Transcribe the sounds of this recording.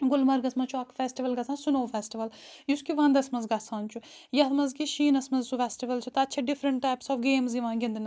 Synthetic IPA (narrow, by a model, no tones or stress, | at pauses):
ɡʊlmɐɾɡɐsmɐ̃t͡ʃʰuɐkfʰɛːsʈiʋɐlɡɐsãːsunoːfʰɛːsʈiʋɐljuskiʋɐ̃nd̪ɐsmɐzɡɐsãːnt͡ʃʰujɐsmɐzɡiʃiːnɐsmɐzsufʰɛːsʈiʋəlt͡ʃʰut̪ɐɐtːʃʰaɖɪfʰɾə̃ɳʈːaːjpsɔːfɡeːmziʋãːɡʲɪ̃nd̪n